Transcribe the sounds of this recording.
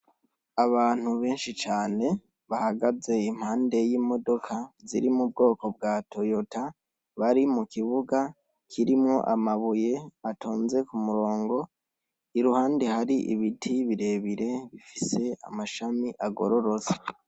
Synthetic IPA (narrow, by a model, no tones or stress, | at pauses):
aβaːn̥huβe̞ːnʃit͡ʃaːne̞ | βahaɡaze̞im̥haːnde̞jiːmo̞do̞kʰaziɾimub̚ɡo̞ːko̞b̚ɡaːtʰo̞jo̞ta | βaɾimukiβuɡa | kʰiɾimŋo̞̰ʔamaβuje̞atʰoːnze̞kumuɾo̞ːŋɡo̞ | iɾuhaːnde̞haɾiʔḭβitʰiβiɾe̞βiɾe̞βifise̞a̰maʃamiʔaɡo̞̰ɾo̞ɾo̞za